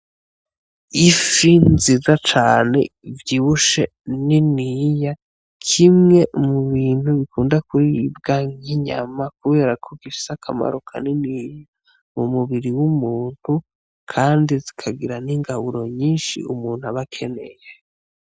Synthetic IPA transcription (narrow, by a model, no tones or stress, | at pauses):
ifinziːzat͡ʃaːne̞vjiːβuʃe | niniːja | kʰimŋe̞muβiːn̥huβikuːndakuɾibɡaŋiɲa̰mak̚uβe̞ːɾakʰoɡifi̥sakʰa̰ma̰ɾukʰa̰niniːja | mumuβiɾiwumuːn̥u | kʰaːndizikʰaɡiɾaniŋɡaβuɾo̞ɲiːnʃḭumuːn̥uaβakʰe̞ne̞̰je